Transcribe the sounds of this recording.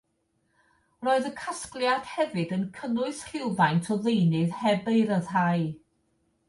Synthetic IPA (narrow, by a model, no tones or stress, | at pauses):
roːɨðəkʰasklˠjad̥hɛvɨdənkʰənʊɨsr̥ɪwvajntʰɔðejnɨðhɛbeɨɾəðɦaɨ